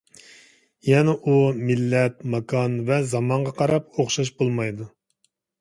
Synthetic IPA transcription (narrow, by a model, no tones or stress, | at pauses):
jɛnɛʔumilːɛt̪mɑkʰɑnvɛzɑmɑɴʁɑqʰɑɾɑp̚oχʃɑʃ̬bolˠmɑjd̪u